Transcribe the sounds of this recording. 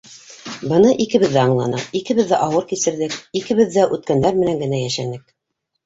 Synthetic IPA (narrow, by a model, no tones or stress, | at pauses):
bɤ̆nɤʔikɘ̆βɘ̆ðːæɑɴlˠɑnɤikɘ̆βɘðːæʔɑwɤɾkisɘ̆ɾðɘkikɘ̆βɘðːæʔʉt̪̚kænd̪æɾmɘ̆næŋɡɘ̆n̪æjæʃænɘk̚